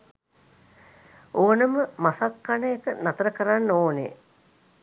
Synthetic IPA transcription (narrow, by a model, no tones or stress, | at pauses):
oːnəməmasakːanəekənat̪əɾəkəɾanːoːnḛ